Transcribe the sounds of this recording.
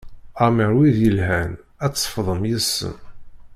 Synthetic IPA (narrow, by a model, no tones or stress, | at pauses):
ɑmiɾˤwiðjəlɦæn | æt͡sːə̥fðˤəmjəsːə̰m